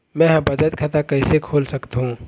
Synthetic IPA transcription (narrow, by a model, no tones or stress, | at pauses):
mɛ̃ɦbɐd͡ʒət̪̚kʰat̪akɐɪsekʰoːlsɐkt̪ɦũː